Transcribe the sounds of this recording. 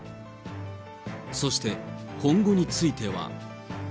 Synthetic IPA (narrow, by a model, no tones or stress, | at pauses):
so̞ɕi̥t̪e̞kʰõ̞ŋɡo̞ɲ̟it͡sɨit̪e̞βa̰